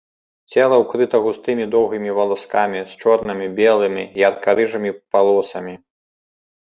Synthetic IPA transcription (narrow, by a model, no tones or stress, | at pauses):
t͡sʲɛlˠɐwkɾɨt̪ɐɣust̪ɨmʲid̪ɔwɣimʲivɐlˠaskamʲist͡ʂɔrnɨmʲibʲɛlˠɨmʲiiɐt̪kaɾɨʐɨmʲipalˠɔsɐmʲi